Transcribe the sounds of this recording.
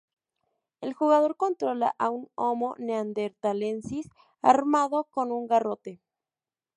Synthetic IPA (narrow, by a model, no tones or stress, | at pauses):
e̞lxuɣað̞o̞ɾko̞nt̪ɾo̞la̰ʔaunomo̞neand̪eɾt̪ale̞nsis | a̰ɾmaðo̞ko̞nuŋɡaro̞t̪e